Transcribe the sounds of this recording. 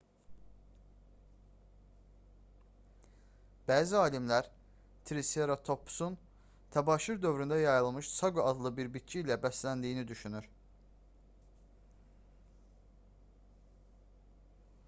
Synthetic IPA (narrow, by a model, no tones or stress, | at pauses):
b̥æːziɑːlimlæɾ | t̪ʰɾiseɾat̪ʰo̞pʰːu̥sun | t̪ʰæbɑːʃyɾd̪ø̞vɾynd̪æjɑjɯlˠmɯʃsɑɡoɑd̪lˠɯbiɾbit̪̚t͡ʃʰiilæbæslænd̪iːnid̪yʃynyɾ